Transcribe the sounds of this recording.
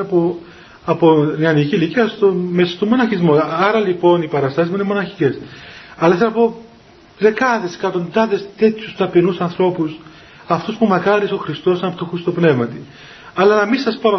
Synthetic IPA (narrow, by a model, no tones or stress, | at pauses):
po | ɐponeɐniciliciɐst̪omesɐ̥st̪omːo̞nɐçizmo̞ɐɾɐlipo̞nipɐɾɐst̪ɐsizmuinemo̞nɐçi̥ce̞sɐlɐθsepo | ðe̞kɐðe̞skɐt̪o̞nd̪ɐðe̞st̪e̞t̪çust̪ɐpinusɐnθɾo̞pus | ɐft̪uspumɐkɐɾiso̞xɾist̪o̞sɐnɐpot̪oxɾist̪o̞pne̞vmɐt̪i | ɐlɐnɐmisɐspɐɾɐ